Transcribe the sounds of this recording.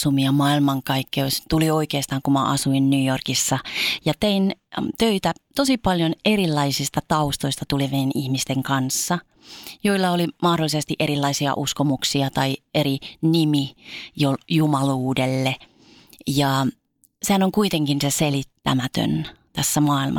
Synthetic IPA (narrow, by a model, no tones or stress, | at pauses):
sumiɑmɑilmɑŋkɑikːioist̪ulioikeːst̪ɑːŋkumɑ̰ʔɑ̰suinnyːjorkisːɑjɑt̪eint̪øit̪æt̪osipɑljonerilːɑisist̪ɑt̪ɑust̪oist̪ɑt̪ulimeienihmist̪eŋkɑnsːɑ | joilːɑolimɑhdolːisest̪iʔeɾilːɑisiɑ̰ʔuskomuksiɑt̪ɑieɾinimijojumɑluːdelːe | jɑ | sehænoŋkuit̪eŋkinseselit̪ːæ̰mæt̪ø̰nt̪æsːæmɑːilmʔɑ̰